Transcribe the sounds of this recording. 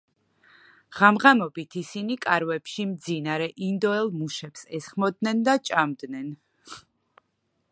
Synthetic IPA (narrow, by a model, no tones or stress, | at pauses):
ʁ̥amʁamɔbit̪ʰisinikʼaɾvɛpʃimd̪zinaɾɛʔind̪ɔɛlˠmuʃɛpsɛsχmɔd̪nɛnd̪at͡ʃʼamd̪nɛn